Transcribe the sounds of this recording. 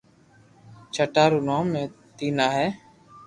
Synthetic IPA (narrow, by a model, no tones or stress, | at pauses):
t͡ʃʰəʈaːɾuːnoːmẽː | t̪iːnaːɦɛː